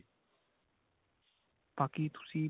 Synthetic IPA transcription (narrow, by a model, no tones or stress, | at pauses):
pakit̪ʰu̥siː